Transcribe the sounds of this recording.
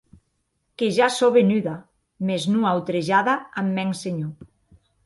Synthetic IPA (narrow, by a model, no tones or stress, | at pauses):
keʒasoβenyða | meznuawt̪ɾeʒaðaamːɛŋseɲo